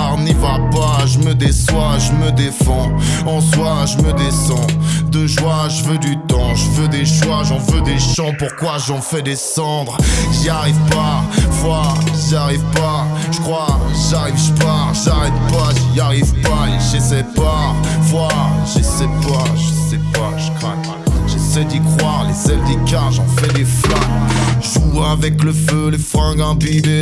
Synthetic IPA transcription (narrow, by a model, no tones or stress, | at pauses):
ʁnivapaʒəməd̪eswaʒəməd̪efɑ̃ | ɑ̃swaʒəməd̪esɑ̃d̪əʒwaʒəvød̪yt̪ɑ̃ʒəvød̪eʃwaʒɑ̃vød̪eʃɑ̃puʁkwaʒɑ̃fɛd̪esɑ̃d̪ʁʒiaʁivpafwaʒaʁivpaʒ̥əkχwaʒaʁivpa | ʒaʁɛt̪̚paʒiaʁivpaʒesɛpafwaʒesɛpaʒəsɛpaʒəkχak | ʒesɛd̪ikχwaʁlezɛld̪ekaʁʒɑ̃fɛd̪eflakʒuavɛkləfølefχɛ̃ɡɛ̃bid̪e